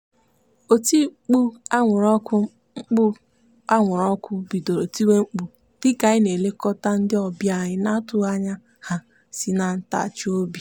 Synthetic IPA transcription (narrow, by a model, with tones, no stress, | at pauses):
o˨ti˦k͡pu˦a˦ŋʷʊ˨ɾɔ˦kʊ˦ | ŋ͡m̩˦k͡pʊ˦ | a˦ŋʷʊ˨ɾɔ˦kʊ˦bi˨do˨ɾo˨ti˦we˦ŋ͡m̩˦k͡pu˨ | d̥ɪ˦ɡa˨ɪ˦ne˨le˦kɔ˦ta˦n̩˦dɪ˦ɔ˨bja˦˨ɲɪ˦na˦tʊ˨a˦ɲa˦ | ha˦ | si˨na˨n̩˦ta̰˨t͡ʃo˦bi˨